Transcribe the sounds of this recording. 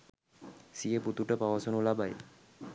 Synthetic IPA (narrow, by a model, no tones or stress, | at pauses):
sieput̪uʈəpawasonulabaj